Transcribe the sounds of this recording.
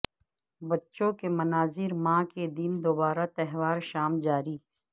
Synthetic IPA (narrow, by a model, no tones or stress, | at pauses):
bɐtːʃõkemɐnaːzɪɾmãːked̪ind̪oːbaːɾat̪ɛɦwaːɾʃaːmd͡ʒaːɾiː